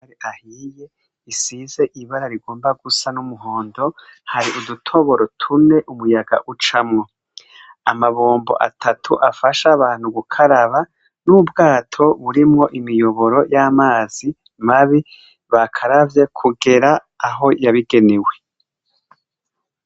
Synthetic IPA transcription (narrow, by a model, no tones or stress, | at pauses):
ɾiʔahije̞ | isize̞ʔiβaɾaɾiɡo̞ːmbaɡusanumuɦo̞ːndo̞haɾiʔudutʰoβo̞ɾotʰune̞ʔumujaɡa̰ʔut͡ʃamŋo̞ | amaβoːmbo̞̰ʔa̰tʰatʰuʔafaʃaβaːn̥huɡukʰaɾaβa | nubɡaːtʰo̞βuɾimŋo̞ʔimijo̞βo̞ɾo̞jamaːz̥i | maβi | βakʰaɾavje̞kʰuɡe̞ɾaː | ɦo̞jaβiɡe̞newe̞